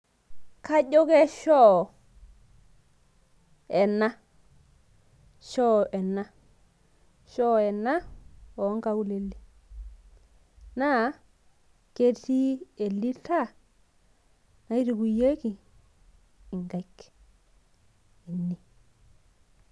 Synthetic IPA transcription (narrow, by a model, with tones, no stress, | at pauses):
ka˦ɟo˦ɡe˦ʃɔ˦˨ | e˨na˦ | ʃɔ˦e˨na˦ | ʃo˦e˨na˦wo˨˦ŋka˦u˦le˨lːi˦ | na˦ | ke˦ɾti˦e˨lːi˦ta˦˨ | na˦i˦ti˨ku˨je˦ki˨ | i˨ŋɡa˦ik | i˨nːi˦